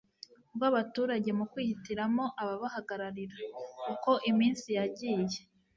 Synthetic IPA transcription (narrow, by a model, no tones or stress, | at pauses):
bɡaβatuːɾaɟe̞mukwiːhitiɾamo̞ʔaβaβaɦaɡaɾaɾiɾakuko̞ʔimiːnsijaɟiːje̞